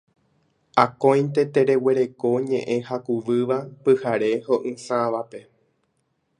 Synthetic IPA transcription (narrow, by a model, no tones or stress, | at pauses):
akõj̃nt̪e̞t̪e̞ɾe̞we̞ɾe̞ko̞ɲẽ̞ʔẽ̞hakuʋɨʋapɨhaɾe̞hoʔɨ̃sãʋape̞